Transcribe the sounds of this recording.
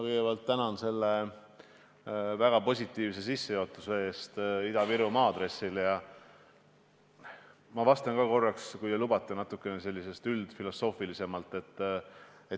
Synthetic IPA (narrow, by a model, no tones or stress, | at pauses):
kɤjɡ̥ebælt̪ːænɑnse̞lːe | væɡ̥ɑpo̞sʲit̪ːˑiːvse̞sisːejoot̪ːˑusee̞ːst̪id̪ɑviɾumɑːd̪ɾe̞sːilejɑ | mɑvɑst̪ɑnkɑko̞rːɑkskuj̪elubɑt̪ˑːenɑt̪ːˑukːˑe̞nese̞lʲːise̞st̪yld̪̥filo̞so̞ːfilise̞mɑlt̪ːˑe̞t̪ːˑe